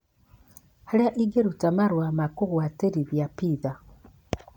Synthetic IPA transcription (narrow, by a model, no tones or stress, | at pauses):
haɾaʔiɡeɾutamaɾwamakuɣwateɾiβjapiða